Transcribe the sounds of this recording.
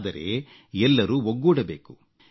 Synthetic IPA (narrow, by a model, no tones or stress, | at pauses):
d̪ɐɾe̞̰ | ɛlːɐɾuɦoɡːuːɽɐbe̞ːku